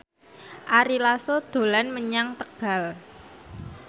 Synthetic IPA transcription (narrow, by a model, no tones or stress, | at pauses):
ʔaɾilasod̪̥o̤lanməɲaŋt̪əɡ̥a̤l